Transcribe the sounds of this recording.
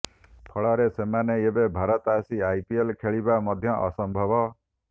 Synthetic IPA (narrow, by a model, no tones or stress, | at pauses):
pʰɔɭɔɾesemaneebebʱaɾɔt̪asiajpielkʰeɭibamɔd̪ʱjɔʔɔ̰sɔmbʱɔbɔ